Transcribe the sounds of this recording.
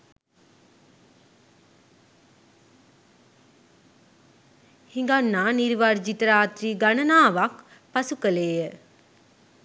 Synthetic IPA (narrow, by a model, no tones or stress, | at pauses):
hiŋɡanːaːniɾʋaɾd͡ʒit̪əɾaːt̪ɾiːɡanənaːʋak | pasukəleːjə